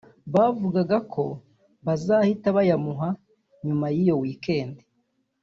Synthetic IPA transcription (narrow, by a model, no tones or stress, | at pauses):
βaːvuɡaɡakʰo̞ | βazahitaβajamuɦa | ɲumajijo̞wiːke̞ːnde